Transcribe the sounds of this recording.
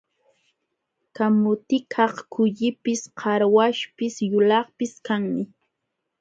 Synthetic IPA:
kamʊt̪ɪkʰɑχkʊʎɪpɪsqʰɑɾwaʃpɪsjʊlɑχpɪskaŋmɪ

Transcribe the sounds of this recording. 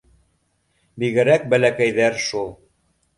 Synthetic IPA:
biɣɘ̆ɾæk̚bælækæjðæɾʃulˠ

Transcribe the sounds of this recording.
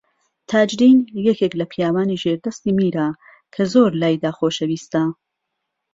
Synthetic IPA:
t̪ʰaːd͡ʒdiːnjɛkeklɐpʰijaːwaːniːʒeɾd̪ɐst̪iːmiːɾa | kʰɐzoːɾlaːjd̪aːxoʃɐwiːst̪a

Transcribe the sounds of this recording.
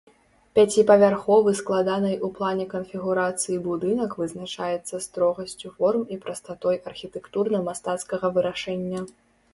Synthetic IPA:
pʲat͡sʲipɐvʲarxɔvɨsklˠad̪anɐjʔuplˠanʲɛkɐnfʲiɣuɾat̪sɨjibud̪ɨnɐkvɨznat͡ʂajɛt̪sːɐst̪ɾɔɣɐsʲt͡sʲufɔrmipɾɐst̪at̪ɔjʔɐrxʲit̪ɛkt̪urnɐmast̪at̪skɐɣɐvɨɾaʂɛnʲːɐ

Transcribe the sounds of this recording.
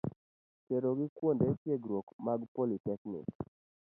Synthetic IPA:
keɾoɡɪkwondetjeɡɾwokmaɡpolitɛknɪ̰k

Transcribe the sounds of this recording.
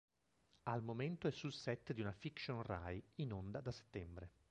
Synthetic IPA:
almoment̪oɛsːulsɛt̪ːd̪iunafikʃonra̰jinond̪ad̪ase̥t̪ːɛmbɾe

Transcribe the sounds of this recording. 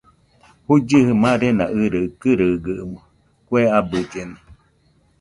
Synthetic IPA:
hud͡ʒɨhɨmãɾenã̰ʔɨɾɨkɨɾɨɡɨʔmo | kʷeabɨd͡ʒena

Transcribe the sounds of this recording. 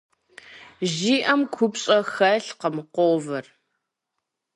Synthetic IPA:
ʑiːʔɐmkʷʰʊpɕʼɐxɐɬqəmqʷoːvɐr

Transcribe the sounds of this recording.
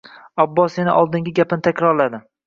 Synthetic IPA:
ɒbːɒsenɪ̰ʔɒlˠd̪ɪŋɡʲɪɡʲapɪnɪt̪ʰakʲɾɒɾlad̪ɪ

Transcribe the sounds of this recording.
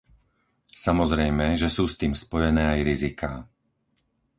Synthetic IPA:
samɔzɾɛjmɛʒɛsuːst̪iːmspɔjɛnɛːajɾizikaː

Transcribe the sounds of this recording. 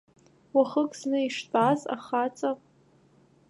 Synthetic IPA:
waχəkʼsnɨiʂtʼaza̰χat͡sʼa

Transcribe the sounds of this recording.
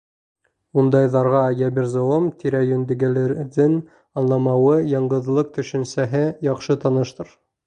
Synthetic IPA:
und̪ɑjðɑɾʁɑjæbiɾzoomt̪ʰiɾæjɵnd̪ɘ̆ɡæ̆lɘɾðɘn | ɑnlˠɑmɑwɤjɑɴɢɤ̆ðlˠɤq̚t̪ɵ̆ʃɘ̆nsæɦɘjɑχʃɤt̪ɑnɤ̆ʃt̪ɤɾ

